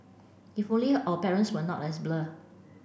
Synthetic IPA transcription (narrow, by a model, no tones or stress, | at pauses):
ifõnliʔɔpɛɹə̃ntswənɔ̰tɛsblə